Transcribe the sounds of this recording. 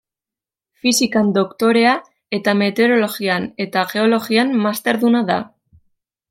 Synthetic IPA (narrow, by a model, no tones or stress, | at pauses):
fisikand̪o̞kt̪o̞ɾe̞a | e̞t̪ame̞t̪e̞ɾo̞lo̞ɣiane̞t̪aɣe̞o̞lo̞ɣianmast̪e̞ɾðunaða̰